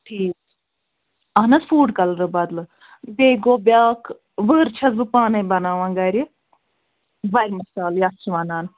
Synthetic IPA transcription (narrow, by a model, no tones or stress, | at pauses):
ʈʰiːk | ɐɦnɐsfuːɖkɐlɾɨbɐd̪lɨ | beːɡoːbjaːkʰ | ʋəːɾt͡ʃʰɐzbɨpaːnɐbɐnaːʋãːnɡɐɾʲi | bɐjɾmɐsaːljast͡ʃʰiʋɐnaːn